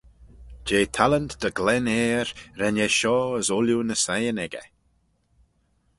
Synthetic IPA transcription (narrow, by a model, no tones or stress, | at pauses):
d͡ʒeːt̪ʰalənd̪d̪əɡlɛneːɾɾɛnjɛʃɔːəzɔljunəsajənɛɡə̰